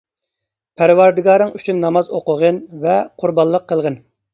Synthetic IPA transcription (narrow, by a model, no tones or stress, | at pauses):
pʰæɾwɑɾd̪ɨɡɑːɾɨŋyt͡ʃʰynːɑmɑzoqʊʁənvɛqʰuɾbɑlˠːəqʰːəlˠʁən